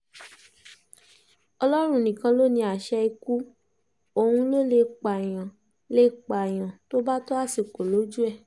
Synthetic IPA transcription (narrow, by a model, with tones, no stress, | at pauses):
ɔ˧lɔ˦ɾ̃ũ˧nĩ˨kã˧lo˦˨nĩ˧a˨ʃɛ˧i˧ku˦ | o˨hũ˧lo˦˨le˧k͡pa˨j̃ã˨ | le˦k͡pa˨j̃ã˨to˦ba˦to˦a˦˨si˨ko˨lo˨˦d͡ʒu˦ɛ˦˨